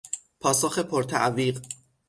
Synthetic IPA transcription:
pʰɒːsoːxe̞pʰoɾt̪ʰæʔviːɢ

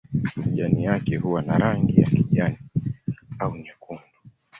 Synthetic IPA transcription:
ʄanijakɛhuwanaɾaŋɡijakiʄani | auɲakʰundɔ

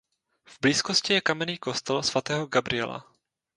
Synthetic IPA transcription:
vbliːskoscɪjɛkamɛniːko̞st̪ɛlsvat̪ɛːɦoɡabɾɪɛ̰la̰

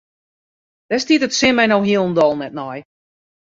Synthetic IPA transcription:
d̥ɛstitətsɪmɛjnowɦiəlˠən̩dɔlˠnɛt̚nɔj

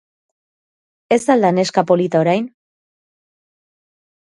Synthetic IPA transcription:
e̞st̪ald̪ane̞skapo̞lit̪aoɾajn

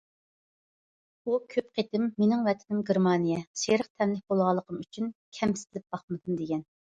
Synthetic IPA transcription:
ukʲʰøp̚qʰet̪ɪmːenɪŋvɛt̪ʰɪnɪmɡʲeɾmɑːnijɛʃeɾəq̚t̪ʰɛmlɪk̚ʲbolˠʁɑlˠːəqʰəmyt͡ʃʰynkʲʰɛmsɪ̥zlɪp̚bɑχmɨd̪ɨmd̪eɡʲɛn

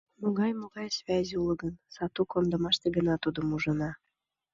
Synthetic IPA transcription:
moɣɑjmoɣɑjsvʲæzʲuləɡənsɑt̪ukond̪əmɑʃt̪eɡə̆nɑt̪ud̪əmuʒə̆nɑ

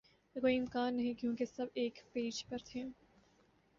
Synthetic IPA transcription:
koːiɪmkaːnːɐɦĩkjõːkesɐbeːkpeːd͡ʒpɐɾt̪ʰẽ

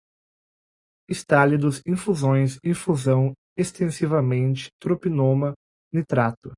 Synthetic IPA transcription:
ɪst̪alid̪ʊzĩfuzõj̃sĩfuzɐ̃w̃ | est̪ẽsivɐmẽnt͡ʃɪ̥t̪ɾopinõmɐ | nɪt̪ɾat̪ʊ

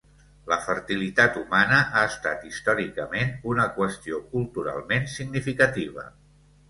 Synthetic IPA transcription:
ləfəɾt̪ilit̪at̪umanəʔaəst̪a̰t̪ist̪ɔɾikəmenunəkwəst̪iokulˠt̪uɾa̰lˠmensiɡnifikət̪iβ̞ə̰

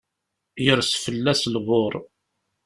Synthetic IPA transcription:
jəɾsfəlːæslʁoɾˤ

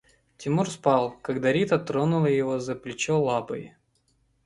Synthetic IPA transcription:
tʲɪmurspɑlˠkɐɡd̪ɐɾʲit̪ɐt̪ɾonʊlˠəjɪvozəplʲɪt͡ɕolˠapə̰j

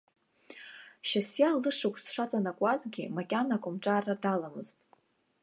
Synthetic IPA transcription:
ʃasjalɨʂɨkʷʼsʂat͡sʼanakʷʼazɡʲimakʲʼanakʷʼʊmʈ͡ʂʼaːradalamɨ̰z̥tʼ

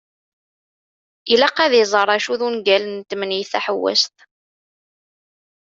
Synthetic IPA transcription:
ilæqːæðizˤərˤæʃuðunɡælənt̪ːmnjθæħəwːæ̰st̪

